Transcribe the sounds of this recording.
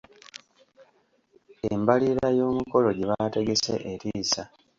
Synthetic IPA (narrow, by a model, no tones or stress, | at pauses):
embaliɾajo̞ːmuko̞lo̞ɟiβate̞ɡe̞sḛʔeɾiːsa